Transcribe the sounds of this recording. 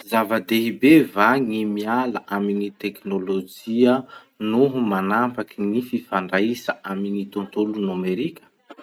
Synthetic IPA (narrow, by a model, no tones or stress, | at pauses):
zavad̪eɦibevaŋimialaʔaminit̪eknolod͡ʒiə | nuɦumanampakinififaɳɖ͡ʐaisaʔaminit̪ont̪olunameɾikʲə̥